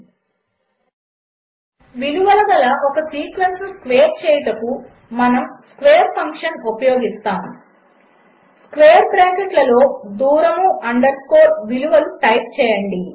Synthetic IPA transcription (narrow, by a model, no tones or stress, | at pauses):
ʋiluʋɐlɐɡ̪ɐlɐʔɔkɐsiːkʋensnuskʋeːɾt͡ʃɛːjɐʈɐku | mɐnɐmskʋeːɐɾpʰɐŋkʂɐnupɐjo̞ːɡist̪aːm | skʋeːjɐɾpɾeːkeʈlɐlo̞ːd̪uːɾɐmuʔɐɳɖɐɾkoːɾʋiluʋɐluʈɐjp̚t͡ʃɛːjɐɳɖi